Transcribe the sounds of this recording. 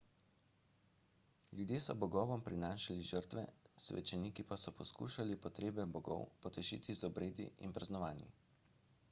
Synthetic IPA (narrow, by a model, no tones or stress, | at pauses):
lʲjud̪jeːsɔbɔɡɔːʋɔmpɾinaːʃaliʒəɾt̪ʋɛsʋɛ̰t͡ʃɛniːkipasɔpɔskṵːʃalipɔt̪ɾeːbɛbɔɡɔ̰wpɔt̪ɛʒḭːt̪ʰizɔbɾeːd̪ḭʔinpɾaznɔʋaːnjḭ